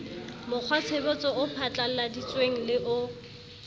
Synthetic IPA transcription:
mʊk͡xʰwat͡sʰebɔt͡sʼɔʊpʰat͡ɬʼal̩ladit͡sweŋ̩lɪʔʊ

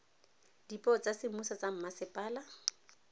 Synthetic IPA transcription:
dipʼɔt͡sʼasɪmusat͡sam̩masɪpʼaːla

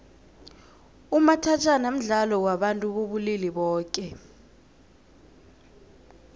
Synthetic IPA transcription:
umatʰat͡ʃʰʼanam̩ɮalɔwaɓantʼuɓoɓuliliɓɔːkʼɛ

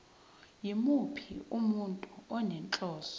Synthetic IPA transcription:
jimupʰḭumuntʼuɔnɛnt͡ɬʼɔːsɔ̥

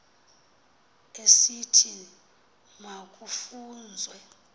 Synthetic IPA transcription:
esitʰi | mak̬ʼufuːnd͡zʱwɛ

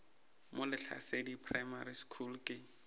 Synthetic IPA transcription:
mʊlɪɬa̰sedipʰrajmaɾiskʰulkʼɪ

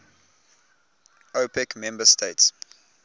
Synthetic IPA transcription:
ʔopɛkmɛ̃mbəstʰeɪts

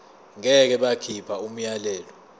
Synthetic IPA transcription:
ŋɛk̬ɛɓakʰipʰaum̩jalɛːlɔ

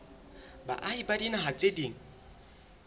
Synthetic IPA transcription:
ba̰ʔaibadinaɦat͡sʼediːŋ̩

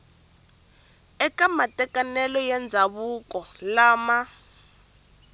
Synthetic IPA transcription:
ɛkamatɛkanɛlɔjɛnd͡zʱaβukʼɔlaːma

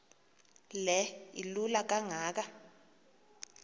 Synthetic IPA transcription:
lɛilulak̬ʼaŋaːk̬a

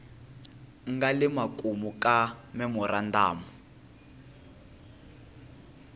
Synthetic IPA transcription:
ŋɡalimakʼumukʼamɛmurandaːmu

